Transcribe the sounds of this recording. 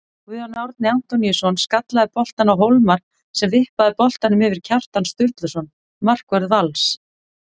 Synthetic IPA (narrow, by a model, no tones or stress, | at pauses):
uanawɾt̪̚nɪan̥t̪ɔnisɔnskat̪laðɪpɔl̥t̪anawɦowlmaɾ | sɛmvɪhpaðɪpɔl̥t̪anʏmɪvɪɾ̥cʰar̥t̪anst̪ʏɾt̪lʏsɔn | mar̥kvɛɾðvals